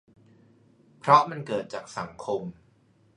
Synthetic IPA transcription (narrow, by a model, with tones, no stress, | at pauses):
pʰɾɔ˦˥ma˧nkɤː˨˩t̪̚t͡ɕaː˨˩k̚sa˩˦ŋkʰo˧m